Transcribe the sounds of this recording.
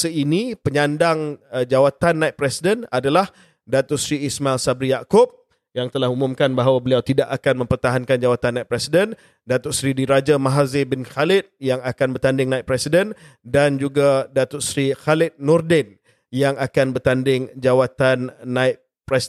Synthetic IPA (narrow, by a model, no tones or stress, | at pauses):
səinipəɲandaŋd͡ʒawat̪anːãit̪̚pɾɛsidənadalah | dat̪ʊʔsɾiːsmaɛlsabɾijakʊp̚ | jaŋt̪əlahumumkanbaɦawabəliawt̪idaʔakanmə̃mpərt̪aɦankand͡ʒawat̪anːãit̪̚pɾɛsidən | dat̪ʊʔsɾidiɾad͡ʒamaɦazebɪnxalɪt̪̚jaŋakanbərt̪andɪŋnãɪt̪̚pɾɛsidən | dand͡ʒuɡadat̪ʊʔsɾixalɪt̪̚nɔrdɛn | jaŋakanbərt̪andɪŋd͡ʒawat̪anːãɪt̪̚ | pɾɛs